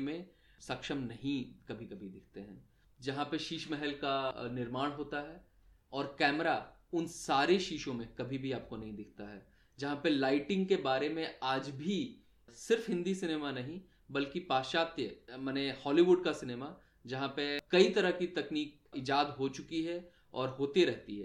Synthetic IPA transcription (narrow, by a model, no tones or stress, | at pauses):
mẽ | sɐkʃəmnɐɦĩkɐbʱikɐbʱid̪ɪkʰt̪eɦɛ̰̃ː | d͡ʒɐɦãpɐʃiːʃmɛɦɛlkanɪɾmaːɽ̃ɦoːt̪aɦɛː | ɔːɾkɛːmɾaʊnsaːɾeʃiːʃõmẽkɐbʱibʱiaːp̚konɐɦĩd̪ɪkʰt̪aɦɛː | d͡ʒɐɦãpɐlaːɪʈɪ̃ŋɡ̚kebaːɾemẽaːd͡ʒbʱi | sɪɾfɦɪ̃nd̪isɪneːmanɐɦĩ | bɐlkipaːʃaːt̪jəmɐnehɔːliʋʊɖ̚kasɪneːma | d͡ʒɐɦãpekɐit̪ɐɾəɦkit̪ɐkniːk | ɪd͡ʒaːd̪ɦot͡ʃʊkiɦɛ | ɔːɾɦoːt̪eɾɛɦt̪iɦɛ̰ː